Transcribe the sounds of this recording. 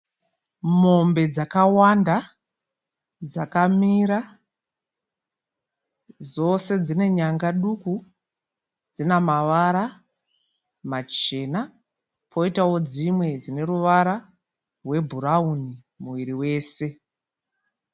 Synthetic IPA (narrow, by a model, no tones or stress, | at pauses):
mo̞mbe̞d͡zakawanda | d͡zakamiɾa | zo̞se̞d͡zine̞ɲaŋɡaɗuku | d͡zinamaʋaɾa | mat͡ʃe̞ːna | pʰo̞itawo̞d͡zimwe̞d͡zine̞ɾuʋaɾa | rwe̞bʱuɾauni | muʋiɾiwe̞ːse̞